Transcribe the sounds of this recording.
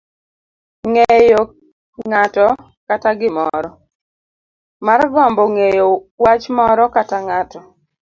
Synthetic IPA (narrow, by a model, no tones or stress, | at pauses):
ŋejo | ŋatɔ | kataɡɪmɔɾɔ | marɡɔmbɔŋejowat͡ʃmɔɾɔkataŋatɔ